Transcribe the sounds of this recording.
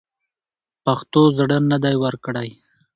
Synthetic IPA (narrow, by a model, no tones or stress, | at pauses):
paxt̪ozɽənad̪ajwəɾkɽaj